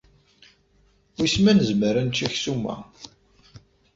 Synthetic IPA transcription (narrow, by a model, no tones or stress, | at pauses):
wijsmænəzməɾænt͡ʃːæçsumæ̰